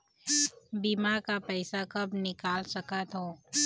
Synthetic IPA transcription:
bimaːɾkapɛːsakɐbnɪkaːlsɐkət̪ɦoː

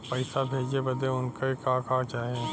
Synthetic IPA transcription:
pɐɪsabʱeːd͡ʒebɐd̪eʊnkaikãːkaːd͡ʒaːɦẽ

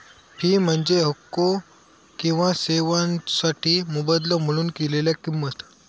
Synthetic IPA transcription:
piːm̤əɳd͡zeɦəkːo | kĩw̃ʋaseʋãnsaʈʰiːmubəd̪ləm̤əɭuːnkeleljakimːət̪

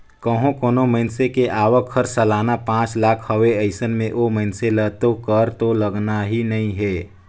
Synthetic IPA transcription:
kəɦõkoːnoməɪnsekeʔaːʋəkʰhəɾsəlaːnapãːt͡ʃlaːkʰhəʋeəɪsənmẽʔoməɪnselət̪okəɾt̪oləɡnaɦinɐɦĩɦɛː

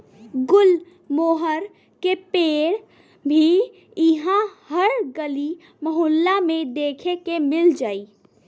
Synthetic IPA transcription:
ɡʊl | moːɦəɾ | kepeːɽ | bʱi | ɪɦãhəɾɡəli | məɦoːlːamẽd̪eːkʰekemɪld͡ʒaːiː

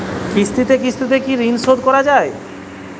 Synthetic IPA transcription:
kɾist̪it̪ekɾist̪it̪̬ekiɾinsod̪̚kɔɾad͡ʑae

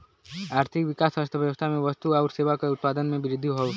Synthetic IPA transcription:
aɾt̪ʰikʋikasast̪ʰəʋjəʋəst̪ʰamẽʋʌst̪uauɾseʋakɔut̪̚pad̪ənmẽbiɾid̪ʱːiɦɔw

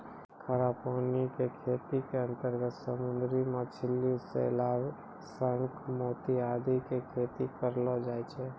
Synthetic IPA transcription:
kʰəɾaːpoɦnikekʰeːt̪ikeə̃nt̪əɾɡət̪səmʊ̃nd̪ɾimat͡ʃʰɪlːiʊsːḛɪlaːb | sə̃ŋkmoːt̪iaːd̪ikekʰeːt̪ikəɾlɔd͡ʒaːɛt͡ʃʰeː

